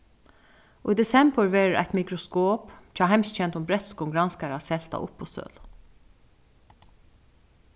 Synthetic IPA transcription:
ʊjd̪ɛsɛmbəɹʋɛɾɾʔa̰ɪt̪mikɾɔskoːpt͡ʃʰɑɦaɪmst̪t͡ʃʰɛnt̪ʊmbɾɛt̪skʊŋɡɾanskaɾasɛl̥t̪a̰ʔʊ̰pːɔst̪œ̰ːl

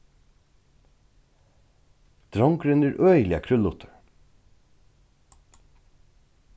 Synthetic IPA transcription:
d̪̥ɾɑŋkɾʉnəɾʔœʏlɪə̰kʰɾʉlʊt̪ʰəɹ

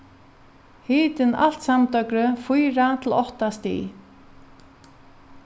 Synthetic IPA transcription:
hiːt̪ɪna̰l̥t̪samt̪œkɾʏfujɾat̪ʰɪlɔht̪ast̪ḭ

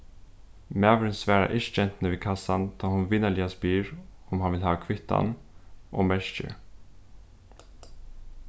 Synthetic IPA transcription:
mæːvɾɪnsʋæːɾa̰ʔɪʃt͡ʃɛnt̪nəʋiːkʰasant̪ʰɑːhʊnʋɪnəɭɪaspiːɹʊmhɑnʋɪlɦhɑːkʰʋɪt̪a̰nʔo̰ːmɛʃt͡ʃə̰

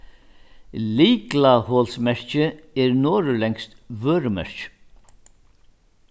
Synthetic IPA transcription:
liːklahoːlsmɛɹ̥t͡ʃɪɛɾnoːɾʏlɛŋst̪ʋøːɾəmɛ̰ɹ̥t͡ʃ

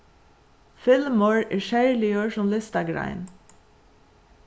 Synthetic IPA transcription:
fɪlmʊɹɛːɹʃæɹlɪəɹsʊmlɪst̪aɡɾa̰ɪn

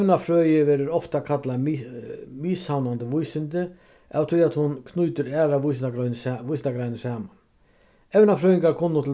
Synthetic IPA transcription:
nafɾœːjəʋɛːɾəɾɔft̪akʰat̪la | mishawnand̪əʋujsɪnd̪ə | ʔɛ̰ːʋt̪ʰyjat̪hʊnkʰnuːt̪əɾæːɾaʋujs̬nʋujsnt̪aɡɾajnəsaːman | ɛʋnafɾœːjɪŋɡaɾkʰɔnːʊt̪ʰ

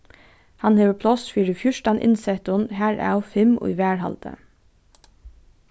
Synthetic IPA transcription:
hɑnheːʋəpʰlɔsfiːɹəfjʊʃʈɑnʔɪ̰nsɛt̪ʊnhæːɹæ̰ːɔfɛmo̰ːɪʋæːɹhɑ̰ld̪̥ə̰

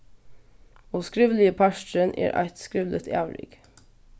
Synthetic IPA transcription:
oːskɾɪʋlɪəpʰæʃʈənʔḛːɾʔæ̰ɪt̪skɾɪʋlʔət̪ʰæːʋlɪ̰ɡ̥

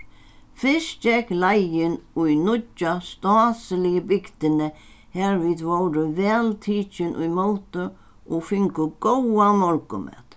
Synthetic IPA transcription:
fɪsd͡ʒɛklajɪnʊjnʊt͡ʃːast̪ɔːsəlɪjəbɪkt̪ɪnə | hɛɾviːd̪ʋowɾəvɛːlt̪ʰiːt͡ʃɪnʔʊ̰jmowt̪ə | ɔfɪŋkʊɡ̥ɔwamɔɾkʊ̰mɛ̰ːt̪

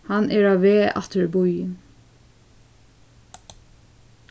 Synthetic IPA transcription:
hɑnʔeːɹɑːʋeːʔɑ̰t̪ʰəɹbɔʏən

